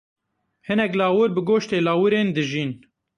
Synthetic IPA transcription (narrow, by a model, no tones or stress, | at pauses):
hɨnɛklaːwɨɾbɨɡoːʃt̪eːlaːwɨɾeːnd̪ɨʒiːn